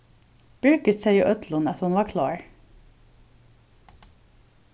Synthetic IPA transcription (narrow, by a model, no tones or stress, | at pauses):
b̥ʏɹkət̪sæɪuːʔœt̪lʊnɑt̪hʊnʋɑːkʰlɑːɹ